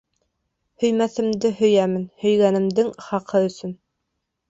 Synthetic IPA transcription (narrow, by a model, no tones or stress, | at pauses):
hɵ̆jmæθɘ̆md̪ɘhɵ̆jæmɘnhɵ̆jɡænɘ̆md̪ɘŋχɑqʰɤɵ̆sɵn